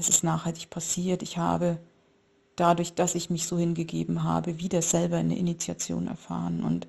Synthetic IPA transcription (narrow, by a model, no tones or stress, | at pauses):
ɛsɪstnaːχhaltɪçpʰasiːɐtɪçha̰ːbə | d̥adʊɐçd̥asɪçmɪçz̥oːhɪnɡəɡḛːbm̩ɦa̰ːbəviːdɐz̥ɛlbɐanə̰ʔɪnit͡sja̰t͡sjo̰ːnɛ̰ɐfa̰ːʁənʔʊ̰nt